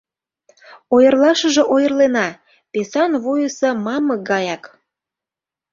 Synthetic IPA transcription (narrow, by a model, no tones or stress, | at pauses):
ojərlɑʃə̆ʒĕʔojərlenɑ | pesɑnβujəsə̆mɑməɡɑjɑk